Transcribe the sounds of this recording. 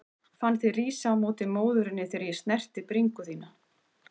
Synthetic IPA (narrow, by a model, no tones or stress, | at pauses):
fanːθiriːsaawmoːt̪ɪmoːwðʏɾɪnːɪθeːɾjɛst̪nɛr̥t̪ɪpɾiŋkʏθiːna